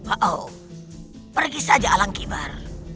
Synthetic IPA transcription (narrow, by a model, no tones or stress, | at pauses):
waʔo | pərɡisad͡ʒaalaŋkiba̰r